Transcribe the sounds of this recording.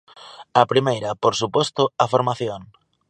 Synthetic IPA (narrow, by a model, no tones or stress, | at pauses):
ɐpɾimejɾɐpoɾsupɔst̪ʊafoɾmaθjoŋ